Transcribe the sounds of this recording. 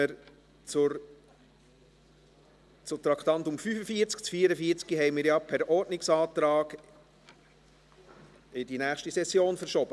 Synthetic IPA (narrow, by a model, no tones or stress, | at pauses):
əɾ | t͡sʊɾ | t͡sʊt̪ɾɑkt̪ɑnt̪ʊmfyfəfiːt͡skt͡sfiːəɾəfiːɾt͡sɡ̥iɦɛɪmɪːɾjɑpʰæɾɔɾtnɪksɑːt̪ɾɑːɡ | ɪdinæːχʃtisɛsjoːnfəɾʃɔb̥ə